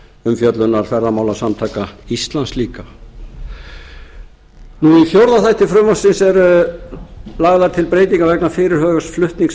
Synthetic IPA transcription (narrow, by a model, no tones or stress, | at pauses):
ʏmfjœt̪lʏnaɾ̥fɛɾðamaːwlasamt̪ʰaːkaist̪lansliːka | nuiθjowɾðaθajht̪ɪfɾʏmɔsɪnsɛɾ | laɣðaɾt̪ʰɪlpɾeːjt̪̬iŋkavɛknafɪːɾɪɾ̥ɦœːɣasflʏht̪niŋs